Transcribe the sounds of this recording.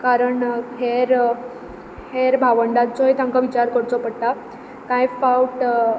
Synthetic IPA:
kaɾəɳkʰeɾ | heɾbʱaʋəɳɖãnt͡sɔjt̪ãŋkaʋit͡ɕaɾkəɽt͡sɔpəɽt̪a | kãjfauʈ

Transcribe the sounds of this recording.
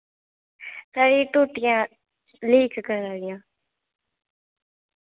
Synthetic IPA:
saɾĩːʈuʈɪjãː | liːkkəɾaːɡɪjãː

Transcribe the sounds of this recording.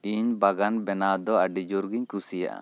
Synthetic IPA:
iɲbaɡanbɛnad̪ɔaɖid͡ʒuɾɡiɲkusija̰ʔa̰

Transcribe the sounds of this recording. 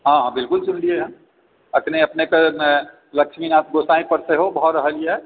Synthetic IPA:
ɦãabɪlkʊlsʊnlieɦəm | ək̪neəpnekemẽ | ləkʃminaːt̪ɡosaĩpəɾseɦobʱɔɾəɦəlie

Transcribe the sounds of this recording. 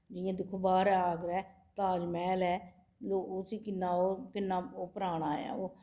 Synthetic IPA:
d͡ʒɪjãːd̪ɪkʰːoːbaːɾaːɡɾɛː | t̪aːd͡ʒmɛːlɛː | oːsiːkɪnːaːoːkɪnːãːoːpəɾaːɳaːjã̰ːoː

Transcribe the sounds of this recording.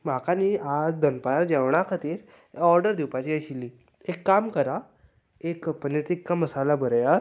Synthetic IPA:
m̤akaniad͡zd̪ənpaaɾd͡ʑɛʋɳ̃akʰət̪iːɾ | ɔɾɖəɾd̪iwpat͡ɕiəɕiliː | ekːamkəɾa | ekpənət̪ikːaməsalabʱəɾjaɾ

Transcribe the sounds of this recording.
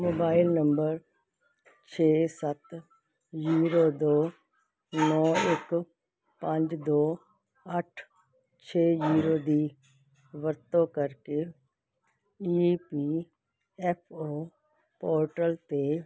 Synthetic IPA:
moːbaːɪlnəmbəɾ | t͡ʃʰeːsət̪ | ziːɾoːd̪oː | nɔ̃ːɪk | pəɲd͡ʒd̪oː | əʈʰ | t͡ʃʰeːziːɾoːd̪iː | ʋəɾt̪õːkəɾkeː | iːpiː | ɛpʰoː | poːɾʈəlt̪eː

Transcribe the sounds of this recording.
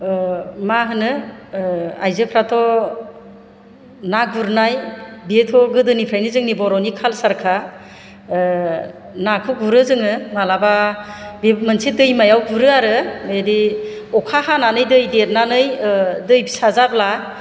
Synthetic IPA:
maɦɯnɯ | ajzɯpʰɾatʰɔ | naɡuɾnajbetʰɔɡɯdɯnipʰɾajnizɯŋnibɔɾɔnikʰalsaɾkʰa | nakʰɯɡuɾɯzɯŋɯmalababemɯnsidɯjmajawɡuɾɯaɾɯmedi | ɔkʰahananɯjdɯjdet̚nanɯjdɯjbisazabla

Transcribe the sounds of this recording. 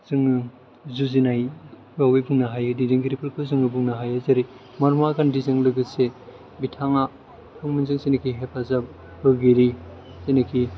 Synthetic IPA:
z̥ɯŋɯ | zuzinaj | wawejbuŋnaɦajɯdidiŋɡiɾipɯɾkʰɯzɯŋɯbuŋnaɦajazaɾi | maɾmakandizɯŋlɯɡɯse | bitʰaŋa | tʰɯŋminzɯŋsenikʰiɦepʰaza | bɯɡiɾisenɯkʰi

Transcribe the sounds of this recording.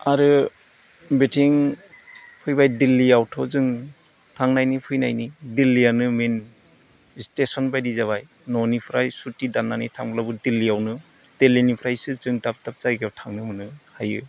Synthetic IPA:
aɾɯ | betʰiŋ | pʰɯjbajdilːiawtʰɔzɯŋ | tʰaŋnajnipʰɯjnajnidilːijanɯmen | stesɔnbajdizaβaj | nɔnipʰɾajsutidanːanitʰaŋblabɯdilːijawnɯ | d̥elːinipʰɾajsɯzɯŋdap̚tap̚zajɡawtʰaŋnɯmɯnɯhajɯ

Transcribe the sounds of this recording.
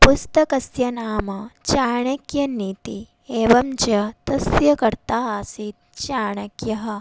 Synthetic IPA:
pust̪ɐkɐsjɐnaːmɐt͡ʃaːɳɐkjɐniːt̪i | eːʋɐmt͡ʃɐt̪ɐsjɐkɐɾt̪aaːsit̪̚t͡ʃaːɳɐkjɐɦɐ

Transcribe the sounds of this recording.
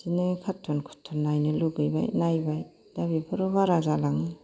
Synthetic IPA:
sinɯkʰatʰːɔnkʰu̥tʰːɔnːajnɯluɡɯjba̰jnajbaj | d̥abipʰɯɾɔbaɾazalaŋɯ

